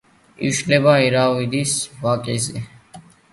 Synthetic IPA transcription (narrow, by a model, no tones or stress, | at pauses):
ḭʃlɛbaiɾawid̪isvakʼɛzɛ